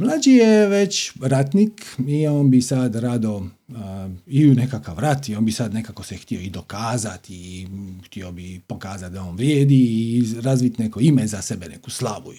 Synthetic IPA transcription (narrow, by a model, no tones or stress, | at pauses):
mlˠad͡ʒijeʋet͡ɕɾat̪nikioːnbisad̪ɾad̪o̞ | iune̞kakaʋɾat̪ioːnbisad̪ne̞kakosext̪io̞id̪o̞kaːzat̪ixt̪iobipo̞kaːzat̪̚d̪aoːnʋɾjeːd̪iːɾaːzʋit̪neko̞imezase̞benḛku̥slaʋṵ